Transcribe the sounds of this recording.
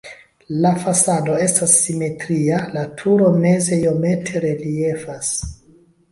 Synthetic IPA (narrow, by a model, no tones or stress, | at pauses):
lafasado̞e̞stasːime̞tɾialatʰuɾo̞me̞ze̞jo̞me̞tʰe̞ɾe̞lie̞fas